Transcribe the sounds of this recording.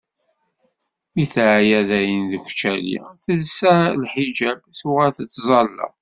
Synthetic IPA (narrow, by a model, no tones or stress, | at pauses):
iθʕjæðæjənðəkʷt͡ʃːælḭθəlsælħid͡ʒæbθuʁælθət͡sːzˤɑlːɑ̰